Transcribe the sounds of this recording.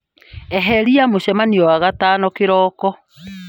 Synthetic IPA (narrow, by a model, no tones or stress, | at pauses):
ɛɦɛɾiamoɕɛmaniɔwaɣatanɔkeɾɔːkɔ